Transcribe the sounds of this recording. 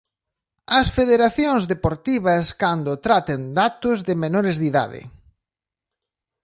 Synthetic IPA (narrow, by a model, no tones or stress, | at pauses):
ɐsfeðeɾaθjoŋzðepoɾt̪iβɐskand̪ʊt̪ɾat̪end̪at̪ʊzðɪmenoɾɪzðiða̰ðɪ̰